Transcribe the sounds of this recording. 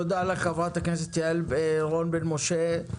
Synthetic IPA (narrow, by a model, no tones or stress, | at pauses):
od̪alaχavat̪aknes̬et̪ːjaleʁonbenmoʃe